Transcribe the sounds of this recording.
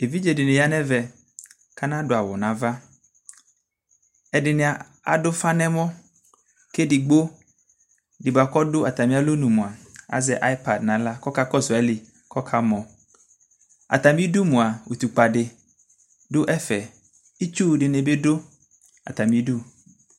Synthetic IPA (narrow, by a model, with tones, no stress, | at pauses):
e˨vi˦d͡ʒe˨dɪ˨nɪ̃˨ja˦nɛ̃˦vɛ˨ | ka˦nã˦dʊ˨a˨wɔ˨nã˨˦va˦ | ɛ˨dɪ˨nɪ̃˨a˨ | a̰˨dʊ˦fa˦nɛ̃˦mɔ̃˦ | ke˦dɪ˨ɡ͡bo˦ | dɪ˨ba˨kɔ˦dʊ˦a˨t̪a˨mĩ˦a˦lo˦nũ˨mʊ̃˨a˨a̰˨zɛ˨ʔa˦i˦pa˨dnã˨la˦kɔ˦ka˦kɔ˦sʊ˨a˨˦li˨ | kɔ˦kʰa˦mɔ̃˨ | a̰˨t̪a˨mĩ˦du˦mʊ̃˨a˨wo˨t̪u˨k͡pa˨dɪ˨ | dʊ˦ʔɛ˦fɛ˨ | i˦t͡ʃu˦˨dɪ˨nɛ˨be˦dʊ˦ | a̰˨t̪a˨mĩ˦du˦